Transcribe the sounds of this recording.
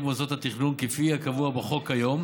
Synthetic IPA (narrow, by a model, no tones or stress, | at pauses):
mozot̪hat̪iχnunkifiakavuabeχo̞khajo̞m